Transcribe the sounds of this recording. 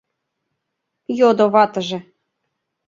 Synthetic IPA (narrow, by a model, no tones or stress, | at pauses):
jod̪oβɑt̪ə̆ʒĕ